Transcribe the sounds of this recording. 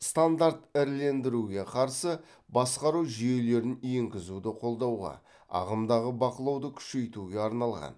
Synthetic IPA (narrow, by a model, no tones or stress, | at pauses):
st̪and̪aɾt̪ɪɾle̞nd̪ɪɾuɡʲe̞qʰɑɾsə | bɑsqɑɾuwʒije̞le̞ɾɪnje̞ŋɡʲɪzud̪ɪqʰo̞lˠd̪ɑwʁɑ̰ | ɑ̰ʁəmd̪ɑʁəbɑqəlˠɑwd̪əkʲʰʏ̥ʃe̞jt̪uɡʲe̞ɑɾnɑlˠʁɑ̰n